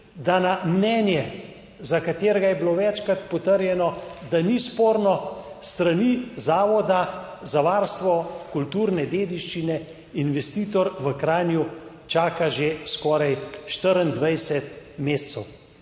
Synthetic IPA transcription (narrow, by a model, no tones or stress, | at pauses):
d̪anamnɛːnjɛ | zakat̪eːɾɛɡajɛbiloʋɛt͡ʃkɾat̪pɔt̪əɾjɛnɔd̪anispoːɾnɔst̪ɾanizaːʋɔd̪a | zaʋaːɾst̪ʋɔkult̪uːɾnɛd̪eːd̪iʃt͡ʃinɛ | inʋɛst̪iːt̪ɔɾʋəkɾaːnju | t͡ʃaːkaʒeskɔːɾajʃt̪əɾənd̪ʋajsɛt̪meːst̪sɛw